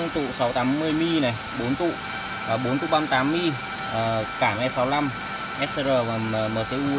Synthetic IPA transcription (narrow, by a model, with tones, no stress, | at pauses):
ŋt̪ṵ˧˨sa˨˦wt̪a˨˦mːɨ˧əjmi˧nɛ˨˩ | ɓo˨˦nt̪ṵ˧˨ʔ | ʔaː˨˩ɓo˨˦nt̪u˧˨ɓa˧mt̪aː˨˦mːi˧˨ | ʔəː˨˩kaː˧˩mɛ˧sa˨˦wla˧m | ʔɛ˦˥sə˧ɾəː˧˩vaː˨˩əː˧˩məː˧˩se˧ʔu˧